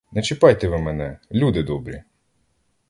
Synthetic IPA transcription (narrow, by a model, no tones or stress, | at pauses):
nɛt͡ʃɪpɑjt̪ɛʋɪmɛnɛlʲud̪ɪd̪ɔbɾʲi